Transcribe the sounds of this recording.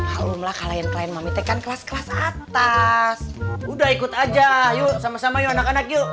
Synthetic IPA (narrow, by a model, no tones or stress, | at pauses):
aumlahkalajankəlaɛnmamit̪ekankəlaskəlasat̪asudahikut̪ad͡ʒajusamasamajuanakanak̚ju